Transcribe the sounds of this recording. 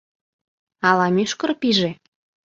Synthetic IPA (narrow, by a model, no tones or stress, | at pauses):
ɑlɑmyʃkɤ̆rpiʒe